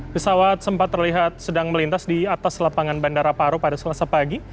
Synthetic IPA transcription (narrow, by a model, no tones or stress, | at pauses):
pəsawat̪̚səmpat̪ːərliɦat̪̚sədaŋməlint̪asdiat̪aslapaŋanbandaɾapaɾopadasəlasapaɡi